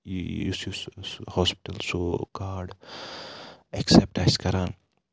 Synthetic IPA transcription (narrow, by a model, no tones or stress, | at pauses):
usjushɔːspi̥ʈɐlsokaːɖ | eksep̚ʈaɪskɐɾaːn